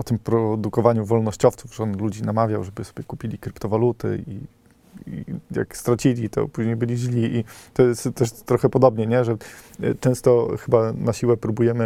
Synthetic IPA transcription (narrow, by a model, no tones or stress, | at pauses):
ɔt̪ɘmpɾɔd̪ukɔvaɲuvɔlnɔɕt͡ɕɔft̪suvʐɛɔnlud͡ʑinamavʲjawʐɛbɘsɔ̥bʲjɛkupʲilʲikɾɘpt̪ɔvalut̪ɘ̰ḭ | ija̰kst̪ɾat͡ɕilʲit̪ɔ̰puʑɲejbɘlʲiʑlʲiʔit̪ɔjɛst̪t̪ɛʂt̪ːɾɔxɛpɔd̪ɔbɲɛɲɛʐɛt͡ʂɛ̃w̃st̪ɔxɘbanaɕiwɛpɾubujɛmɘ